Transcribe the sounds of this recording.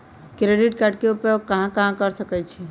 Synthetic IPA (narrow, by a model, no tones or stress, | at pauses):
kɾeɖiʈ̚kaɾɖ̚keupəkəɦãkɐɦãkəɾsəkɛt͡ʃʰɛ